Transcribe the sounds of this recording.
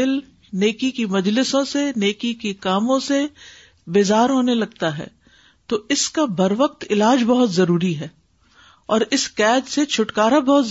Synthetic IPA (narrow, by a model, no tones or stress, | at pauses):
ɪl | neːkikimɐd͡ʒlɪsõseneːkikikaːmõse | beːzaːɾɦoːnelɐɡt̪aɦɛ̰ː | t̪oːɪskabʱɐɾʋəq̚t̪ɪlaːd͡ʒbɐɦʊt̪zɐɾuːɾiɦɛː | ɔːɾɪskɛːd͡ʒset͡ʃʰʊʈkaːɾabɐɦʊt̪